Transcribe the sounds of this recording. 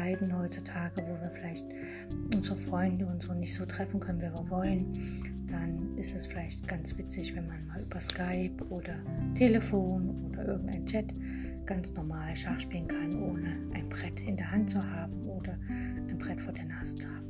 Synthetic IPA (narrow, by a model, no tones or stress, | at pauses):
aɪdn̩hɔʏt͡sutʰaːɡəvoːviːɐfɪlaɪçt | ʔʊnzəʁəfʁ̥ɔʏndəʊnzoːnɪçtz̥oːtʁ̥ɛfn̩kʰœnənviːviːɐvɔlən | d̥anɪstɛsfɪlaɪçtɡ̥ant͡sv̥ɪt͡sɪçv̥ɛnmanmaːlyːbɐskaɪpʔoːdɐtʰeːləfoːnʔoːdɐʔɪɐɡŋ̩ta̰ɪnt͡ʃɛt | ɡ̥ant͡snɔɐmaːlʃaʁʃpiːlənkʰanənʔoːnəʔaɪnbʁ̥ɛtʰɪndeːɐhɦant̚t͡suhaːbm̩ʔoːdɐ | ʔaɪnbʁ̥ɛtfoːɐdeːɐnaːz̥ət͡suhaːbm̩